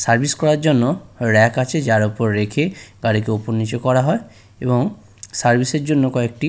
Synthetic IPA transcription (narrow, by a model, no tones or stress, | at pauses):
saɾbʱiskɔɾaɾd͡ʒonːoɾɛkat͡ʃʰed͡ʒaɾupɔɾːekʰeɡ̥aɽikeupoɾnit͡ʃɔkɔɾaɦɔe | ebɔŋ | saɾbʱiseɾd͡ʒonːokɔek̚ʈi